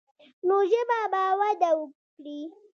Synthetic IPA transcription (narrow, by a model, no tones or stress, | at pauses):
noʒebabawad̪awəkɽi